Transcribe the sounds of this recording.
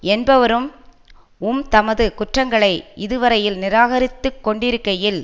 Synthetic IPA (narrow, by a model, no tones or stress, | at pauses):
ɛnbɐʋɐɾɯm | ʊmt̪ɐmɐðɯkʊʈrɐŋɡɐɭɐɪɪðɯʋɐɾɐjɪlnɪɾaːɣɐɾɪt̪ːɯkːɔɳɖɪɾɯkːɐjɪl